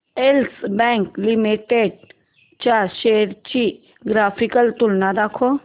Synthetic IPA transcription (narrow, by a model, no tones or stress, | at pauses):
elsbɛ̃ːŋklimiʈeɖ̚ | t͡ʃaːɾʃeːɾt͡ʃi | ɡɾaːpʰikəlt̪ʊlnad̪akʰo